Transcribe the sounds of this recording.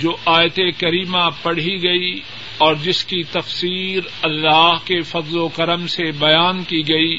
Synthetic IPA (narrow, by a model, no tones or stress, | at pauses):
d͡ʒoːʔaːjt̪ekɐɾiːmãpɐɽ̤iɡɐi | ɔːɾd͡ʒɪskit̪ɐfsiːɾ | ɐlːaːɦkefɐzlokɐɾəmsebɐjaːnkiɡɐiː